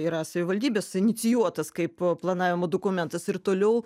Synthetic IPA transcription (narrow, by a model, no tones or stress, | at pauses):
iːɾɐsɐʋʲɪʋɐlʲd̪ʲiːbʲeːsɪnʲɪt̪sʲɪjuɔt̪ɐskɐɪpplˠɐnɑːʋʲɪmod̪oːkʊmʲɛnt̪ɐsɪɾt̪oːlʲɛʊ